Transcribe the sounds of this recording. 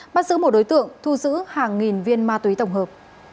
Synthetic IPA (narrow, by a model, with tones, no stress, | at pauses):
ɓaː˦˥t̚zɨ̰˧˥mo˨˩ɗo˨˦jt̪ɨ̰˧˨əŋt̪ʰu˧zɨ̰˧˥haː˨˩ŋːi˨˩nvi˧ənmaː˧t̪wi˨˦t̪ə˧˩wŋ͡mɦəː˨˩p̚